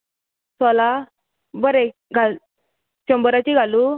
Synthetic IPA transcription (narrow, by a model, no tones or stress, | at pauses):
sɔla | bəɾeɡʱal | ɕɔmbəɾat͡ɕiɡʱalu